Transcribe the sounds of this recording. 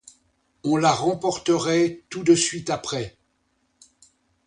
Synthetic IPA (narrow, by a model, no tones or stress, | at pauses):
ɔ̃laʁɑ̃pɔʁt̪əʁɛt̪ud̪əsɥit̪apχɛ